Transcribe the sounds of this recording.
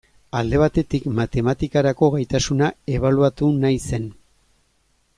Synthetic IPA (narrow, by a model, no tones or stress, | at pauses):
ald̪e̞β̞at̪e̞t̪ikmat̪e̞mat̪ikaɾako̞ɣajt̪asunae̞β̞aluat̪unajse̞n